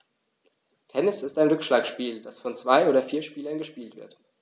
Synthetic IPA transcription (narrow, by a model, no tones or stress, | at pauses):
kʰɛnɪsɪstaɪnʁʏkʃlaːkʃpiːld̥asfɔnt͡sv̥aɪʔoːɾɐfiːɐʃpiːlɐnɡəʃpiːltv̥ɪɐt